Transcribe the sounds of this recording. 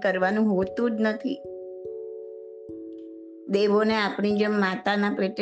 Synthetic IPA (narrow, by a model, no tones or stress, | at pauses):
kəɾʋanũɦot̪ũd͡ʒnət̪ʰḭ | d̪eʋoneapɳid͡ʒəmːat̪anapɾiʈ